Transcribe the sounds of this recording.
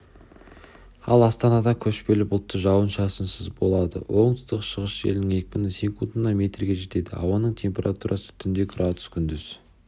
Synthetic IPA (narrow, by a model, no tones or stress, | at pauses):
ɑlˠɑst̪ɑnɑd̪ɑkʲʰɵʃpe̞lɪpʊlˠt̪ːəʒɑwənʃɑsənsəzbo̞lˠɑd̪ə̰wʔo̞ɴəst̪əqʃəʁəsʒe̞̰lɪnɪŋe̞k̚ʲpɪnɪseŋkunt̪ənɑmʲe̞t̪rɡʲe̞ʒe̞t̪e̞d̪ɪ̰ɑ̰wɑnəɴt̪ʲʰe̞mpʲe̞ɾʔat̪uɾʔɑsə̥t̪ʰʏnd̪e̞ɡrat̪ʊ̥skʲʰʏnd̪ʏz̥